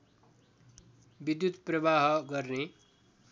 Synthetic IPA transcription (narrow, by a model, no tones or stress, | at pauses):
bid̪jut̪prʌbaɦɡʌrne